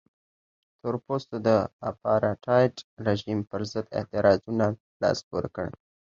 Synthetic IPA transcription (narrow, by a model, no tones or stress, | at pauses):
t̪oɾpost̪od̪əa̰pɑɾaʈʰɑjʈɾeʒimpəɾzəd̪ɪ̰ht̪ɪɾɑzuna | lɑ̰spoɾkəɽ